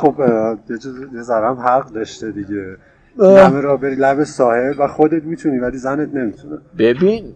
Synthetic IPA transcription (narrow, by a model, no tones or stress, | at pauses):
χobjed͡ʒjezæɾæmhæʁɢd̪ɒʃt̪ed̪iɟe | æmeɾɒːbe̞ɾiːlæbesɒːhe̞bvæxod̪et̪̚miːt̪ʰuniːvæliːzænet̪̚ʰne̞mit̪ʰuneb̥ebin